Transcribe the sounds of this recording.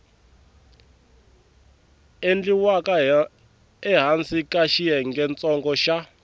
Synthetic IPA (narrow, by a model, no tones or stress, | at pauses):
end͡ɮiwaka | ɛɦant͡sʰikʼaʃiɛŋɡɛnt͡sɔŋɡɔʃa